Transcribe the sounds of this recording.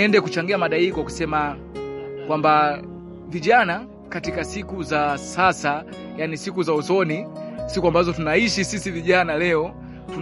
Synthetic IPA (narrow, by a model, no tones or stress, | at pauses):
ɛndɛkut͡ʃaŋɡiamaɗaikɔaku̥sɛma | kwamba | viʄana | katikasikuzasasa | janisikuzausɔnisikuambazɔtunaiʃisisiviʄanalɛɔ | tu